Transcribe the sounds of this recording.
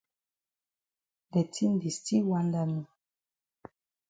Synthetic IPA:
dɛ˨ti˦n˦di˨sti˦wa˦nda˦nũ˨

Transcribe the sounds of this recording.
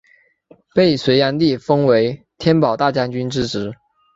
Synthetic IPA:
pe˥˩ɪswe˧˥ɪja˧˥nli˥˩fɤ˥ŋwe˧˥ɪ | t̪ʰjɛ˥npɑ˨˩ʊt̪a˥˩t͡ɕja˥ŋt͡ɕy˥nʈ͡ʂɻ̩˥ʈ͡ʂɻ̩˧˥

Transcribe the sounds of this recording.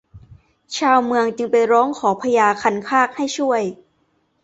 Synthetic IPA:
t͡ɕʰaː˧wmɯ˧əŋt͡ɕɯ˧ŋpa˧jɾɔː˦˥ŋkʰɔː˩˦pʰa˧jaː˧kʰa˧nkʰaː˥˩k̚ha˥˩jt͡ɕʰu˥˩əj

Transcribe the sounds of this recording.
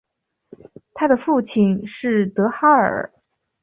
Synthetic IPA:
t̪ʰa˥d̪ə˨fu˥˩t͡ɕʰi˨˩nʂɻ̩˥˩t̪ɤ˧˥xa˥ə̰˞˨˩

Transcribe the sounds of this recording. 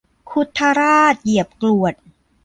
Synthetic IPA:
kʰu˧˥t̪ʰːa˧ɾaː˥˩t̪̚ji˨˩əp̚klu˨˩ət̪̚

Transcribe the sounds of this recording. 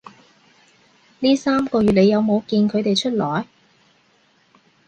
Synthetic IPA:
niː˥saː˥mkɔː˧ɥyː˨t̚lne˨˧jɐ˨˧wmo˨˧wkiː˧nkʰɵ˨˧ɥt̪e˨jt͡ʃʰɵ˥t̚lɔː˨˩j

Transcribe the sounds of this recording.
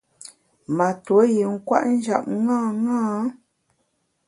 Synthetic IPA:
ma˨two˨˦ji˨ŋ̩˦kwa̰˦ʔn̩˦d͡ʒa̰˦˨p̚ŋãː˦˨ŋaː˦

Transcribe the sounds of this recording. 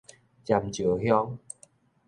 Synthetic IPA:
t͡ɕa˨˩mt͡ɕu˨˩˦hjɔ˧˦ŋ

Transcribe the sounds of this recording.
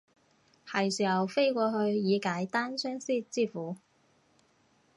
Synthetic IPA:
hɐ˨˩jsyː˨˩jɐ˨˩wfe˥jkʷɔː˧ɦɵ˧ɥjiː˨˧kaː˨˥jt̪aː˥nsœː˥ŋsiː˥t͡siː˥fuː˨˥

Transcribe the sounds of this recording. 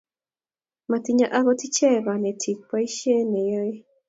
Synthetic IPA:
ma˨ti˨ɲa˨ʔa˦ɣɔ˦ti˦t͡ʃɛ˦˨βa˨nɛ˨tʰi˨k̚pa˦i˦ʃɛ˦ne˨ja˦e˦

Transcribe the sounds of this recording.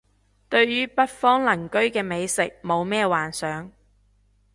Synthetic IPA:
t̪ɵ˧ɥɥyː˥pɐ˥t̚fɔː˥ŋlɐ˨˩ŋkɵ˥ɥkɛː˧me˨˧jsɪ˨k̚mo˨˧wmɛː˥waː˨nsœː˨˥ŋ

